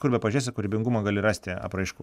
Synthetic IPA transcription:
kʊɾʲbʲɛpɐʒʲeːs̬ʲɛkʊɾʲɪbʲɪŋɡʊmɐɡɑːlʲɪɾɑːsʲt̪ʲɪɐ̰pɾɐɪʃku

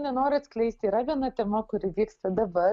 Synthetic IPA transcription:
nʲɛnoːɾʲɪsʲklʲɛɪsʲt̪ʲiːɾɐʋʲiɛnɐt̪ʲɛmɐkʊɾʲɪʋʲiːkst̪ɐd̪ɐbɐ

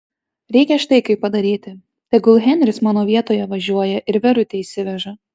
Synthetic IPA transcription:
ɾʲɛɪkʲɛʃt̪ɐɪkɐɪpːɐd̪ɐɾʲiːt̪ʲɪ | t̪ʲɛɡʊlˠɣʲɛnʲɾʲɪsmɑːnoːʋʲiɛt̪oːjɛʋɐʒʲuɔjɛʔɪɾʋʲɛɾʊt̪ʲeiːsʲɪʋʲɛʒɐ

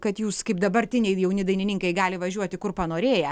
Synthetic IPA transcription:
kɐt̪juːskɐɪpd̪ɐbɐrʲt̪ʲɪnʲɛɪjɛʊnʲɪd̪ɐɪnʲɪnʲɪŋkɐɪɡɑːlʲɪʋɐʒʲuɔt̪ʲɪkʊrpɐnoːɾʲeːjɛ

